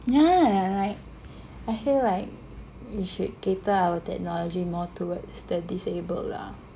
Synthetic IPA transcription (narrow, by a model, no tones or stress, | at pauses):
jaaɹaɪk̚ | aɪfillaɪk̚ | wiʃud̚ketəaʊətɛ̰k̚nɔlɔd͡ʒimɔtʰuwətsdədisebə̰lːa̰